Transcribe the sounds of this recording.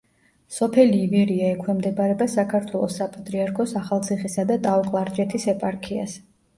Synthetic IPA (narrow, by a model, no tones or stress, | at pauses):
sɔpʰɛliːvɛɾiaɛkʰwɛmd̪ɛbaɾɛbasakʰaɾt̪ʰwɛlˠɔ̰sːapʼat̪ʼɾiaɾkʰɔsaχalˠt̪sʰiχisad̪at̪ʼaɔkʼlˠaɾt͡ʃʼɛt̪ʰisɛpʼaɾkʰia̰s